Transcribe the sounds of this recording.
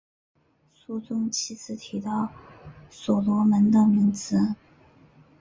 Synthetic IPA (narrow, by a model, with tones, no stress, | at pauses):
su˥˧t͡sʊ˥ŋt͡ɕʰi˧˥t͡sʰɹ̩˥˩t̪ʰi˧˥t̪ɑ˥˩ʊsɔ˨˩lwɔ˧˥mə˧˥nd̪ə˧mi˧˥ŋt͡sɹ̩˧˥